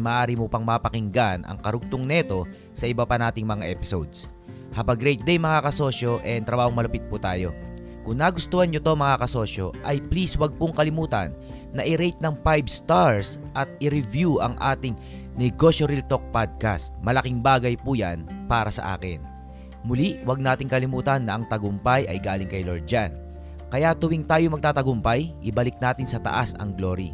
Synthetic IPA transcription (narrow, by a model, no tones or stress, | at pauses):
maːʔaːɾimopɐŋmapɐkɪŋɡanʔɐ̰ŋkɐɾʊɡ̚t̪oŋnɛt̪o̞ | sɐʔɪbapɐnaːt̪ɪŋmɐŋaʔɛpɪsowd̪s | hɐbɐɡɾɛjt̪̚d̪ɛjmɐŋakɐso̞ːʃo̞ʔɛnt̪ɾɐbaːhoŋmɐlɐpɪt̪̚put̪aːjo̞̰ | kʊŋnaɡʊst̪oːhɐnɲot̪oŋmɐŋakɐso̞ʃjo̞̰ʔɐjpliswɐɡ̚pʊŋkɐlɪmuːt̪ɐ̰nː | ɐʔɪɾɛjt̪̚nɐŋpajbst̪aɹs | ʔɐt̪̚ɪɾɪvjuʔɐ̰ŋʔa̰ːt̪ɪŋ | nɛɡo̞ʃoɾilt̪o̞k̚pad̪̚ka̰st̪̚mɐlɐkiŋbaːɡɐjpuja̰npaːɾɐsɐ̰ʔa̰ːkɪ̰n | mʊliʔwɐɡ̚naːt̪ɪŋkɐlɪmuːt̪ɐnːɐʔɐŋt̪ɐɡʊmpajʔɐ̰jɡaːlɪŋkɐjloɹd͡ʒan | kɐjat̪ʊwɪŋt̪aːjomɐɡ̚t̪aːt̪ɐɡʊmpɐjʔɪbɐlɪk̚naːt̪ɪnsɐt̪ɐ̰ʔasɐ̰ŋɡlo̞ːɾḭ